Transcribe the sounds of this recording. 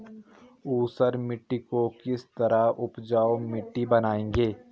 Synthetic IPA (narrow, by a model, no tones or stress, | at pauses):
uːsəɾmɪʈːikokɪst̪ɐɾaʊpd͡ʒaːomɪʈːibɐnaːẽːŋɡeː